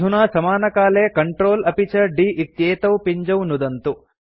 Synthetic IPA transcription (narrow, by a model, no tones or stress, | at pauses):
unaːsɐmaːnɐkaːleːkɐɳʈɾoːlɐpit͡ʃɐɖiːʔit̪jeːt̪ɐwpiɲd͡ʒɐwnud̪ɐnt̪u